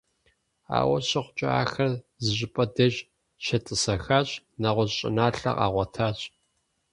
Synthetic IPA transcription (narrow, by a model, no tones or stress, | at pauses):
a̰ːwɐɕɐχʷʊt͡ʃʼɪa̰ːxɐr | zɨʑɪpʼɐdɐʒ | ʃɐtʼɨsɐxaːɕʼ | nɐʁʷɔʑɕʼɪ̰naːɬɐ̰qɑ̰ːʁʷɔtʰaːɕʼ